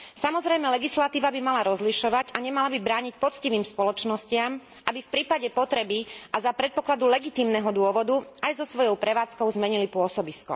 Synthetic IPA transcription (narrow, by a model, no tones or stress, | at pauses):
samɔzɾɛjmɛlɛɡislat̪iːʋabimalaɾɔzliʃɔʋaɟaɲɛmalabibɾaːɲic̚pɔt͡sciʋiːmspɔlɔt͡ʃnɔscɪam | ʔabifpɾiːpaɟɛpɔt̪ɾɛbiʔazapɾɛt̪̚pɔklad̪ulɛɡit̪iːmnɛɦɔd̪ʊɔʋɔd̪uajzɔsʋɔjɔʊpɾɛʋaːt͡skɔʊzmɛɲilipʊɔsɔbiskɔ̰